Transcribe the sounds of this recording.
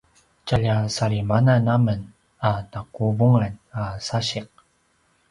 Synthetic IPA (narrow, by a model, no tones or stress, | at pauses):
t͡ɕaʎasaɭimananamən | anakuvuŋanasaɕiq̚